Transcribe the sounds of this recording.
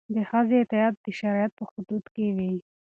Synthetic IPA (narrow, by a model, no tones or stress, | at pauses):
d̪əxazet̪ɪjɑd̪̚d̪əʃaɾɑjat̪̚pəxʊd̪ud̪kewi